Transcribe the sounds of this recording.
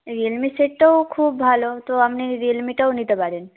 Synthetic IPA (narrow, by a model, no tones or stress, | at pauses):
ɾelmiseʈːəwkʰuːbbʱalot̪oamneɾelmiʈəwnid̪əbaɾin